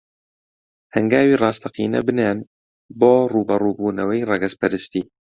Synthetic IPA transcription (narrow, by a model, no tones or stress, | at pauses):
hɛŋɡaːwiːrɑːst̪ʰɐqḭːnɛ̰bɨneːn | boːruːbɐruːbuːnɐwɐjrɛɡɛspɛɾɨst̪iː